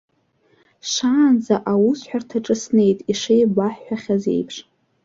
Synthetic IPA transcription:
ʂaːnd͡zaʔawusħʷᶣartʰaʈ͡ʂʼɨsne̞jtʼiʂejbʷaħːʷaχʲaze̞̰jpʰʂ

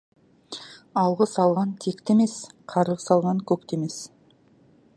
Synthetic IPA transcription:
ɑlˠʁəsɑlˠʁɑnt̪ʰekt̪eme̞sqʰɑɾəʁsɑlˠʁɑŋkʲʰɵk̚t̪eme̞s

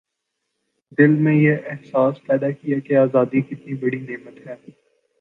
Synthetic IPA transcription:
d̪ɪlmẽjeʔɛɦsaːspɛːd̪akijakeaːzaːd̪ikɪt̪nibɐɽineːmət̪ɦɛː

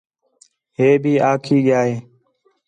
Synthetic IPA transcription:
ɦeːbʱiːʔaːkʰiːɠɪjaːɦeː

